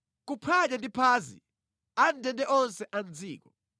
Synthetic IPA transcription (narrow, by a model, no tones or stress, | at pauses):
k̬upʰat͡ʃɛndipʰaːzḭ | andʱɛndɛʔɔnsɛʔand͡zʱiːk̬ɔ̰